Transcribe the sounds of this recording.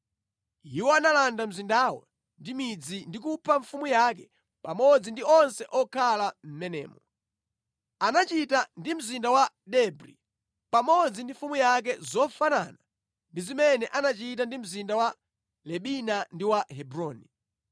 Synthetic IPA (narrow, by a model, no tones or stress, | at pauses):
iwɔanalandam̩zindawɔ̰ | ndimid͡zindikupʰaɱfumujak̬ɛ | pamɔd͡zindiɔnsɛʔɔkʰalam̩mɛnɛ̰ːmɔ | anat͡ʃitandim̩zindawa | ɗɛbɾḭ | pamɔd͡zindiɱfumujak̬ɛzɔfana̰na | ndizimɛnɛʔanat͡ʃit̬andim̩zindawa | lɛɓinandiwahɛbɾɔːni